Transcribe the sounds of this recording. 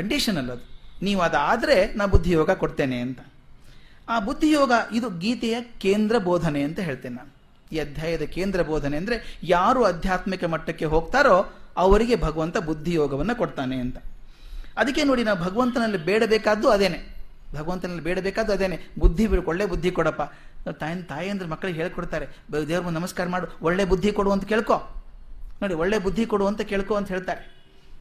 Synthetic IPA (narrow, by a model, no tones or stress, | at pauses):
kɐɳɖiʂɐnɐlːɐd̪uniːʋuɐd̪ɐaːd̪ɐɾe̞naːʋbud̪ʱːijɔːɡɐkoɽt̪eːneɐnt̪ɐ̥ | aːbud̪ʱːijɔːɡɐʔid̪uɡiːt̪ɛjɐkeːnd̪ɾɐbɔːd̪ʱɐne̞ɐnt̪ɐɦe̞ːɭt̪eːnenaːnu | iːɐd̪ʱjaːjɐd̪ɐkeːnd̪ɾɐbɔːd̪ʱɐneɐnd̪ɐɾe̞jaːɾuːɐd̪ʱjaːt̪mikɐmɐʈːɐkːe̞ɦoːɡ̚t̪aːɾo̞ːɐʋɐɾiɡe̞bʱɐɡɐʋɐnt̪ɐbud̪ʱːijɔːɡɐʋɐnːɐkoɽt̪aːne̞ɐnt̪ɐ | ɐd̪ɐkːe̞no̞ːɽinaːʋubʱɐɡɐʋɐnt̪ɐnɐlːibeːɽɐbeːkaːd̪uɐd̪eːne | bʱɐɡɐʋɐnt̪ɐnɐlːibeːɽɐbeːkaːd̪ːuɐd̪eːnebud̪ʱːibiɭkoɭːeːbud̪ʱːikɔɽɐpːaːnoːt̪ajnt̪aːjiɐnd̪ɐɾemɐkːɐɭɐɦeːɭkoɽt̪aːɾebed̪eːʋɐɾmunɐnɐmɐskaːɾɐmaːɽuoɭːe̞ːbud̪ʱːikoɽuɐnt̪ɐkeːɭkoː | noːɽioɭːeːbud̪ʱːikoɽuɐnt̪ɐkeːɭkoːɐnt̪ɐɦeːɭt̪aːɾe